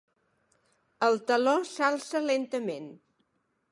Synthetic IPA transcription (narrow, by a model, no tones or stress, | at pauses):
əlˠt̪əlɔsalˠsəlent̪əmen